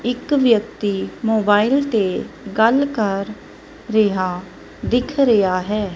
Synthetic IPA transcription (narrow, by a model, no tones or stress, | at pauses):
ɪkʋjək̚t̪iːmoːbaːɪlt̪eːɡəlkəɾː | eɦaː | d̪ɪkʰɾəjaːɦɛː